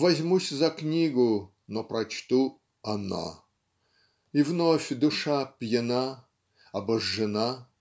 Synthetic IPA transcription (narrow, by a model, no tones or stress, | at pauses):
vɐzʲmusʲzɐknʲiɡʊ | nopɾɐt͡ɕt̪u | ɐna̰ | ivnofʲd̪ʊʂapʲjɪna | ɐbɐʐːɨna